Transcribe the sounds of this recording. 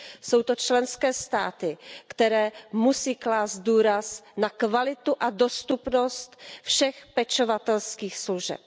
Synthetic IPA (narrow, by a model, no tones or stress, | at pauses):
so̞wt̪ot͡ʃlɛnskɛːst̪a̰ːt̪ɪkt̪ɛɾɛːmusiːklaːst̪̚duːɾasnakvalɪt̪uʔado̞st̪upnost̪fʃɛxpɛt͡ʃovat̪ɛlskiːxsluʒɛ̰p̚